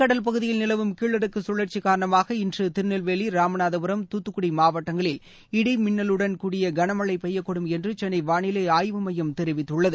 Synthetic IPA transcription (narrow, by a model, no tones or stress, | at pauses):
kɐɽɐlpɐɣɯðɪjɪlnɪlɐʋɯmkiːɭːɐɾɯkːɯsʊɭːɐɾt͡ʃːikaːɾɐɳɐmaːɣɐɪndrɯt̪ɪɾnɐlʋeːɭiɾaːmɐnaːðɐbɯɾɐmt̪ut̪ːɯkːʊɽimaːʋɐʈːɐŋɡɐɭɪl | ɪɽimɪnːɐlɯɽɐnkuːɽɪjɐɡɐnɐmɐɭːɐɪpɛjːɐkːɔɽɯmɛndrɯt͡ʃɛnːɐɪʋaːɳɪlɐɪaːjʋɯmɐjɐmt̪ɛɾɪʋɪt̪ːɯɭːɐðɯ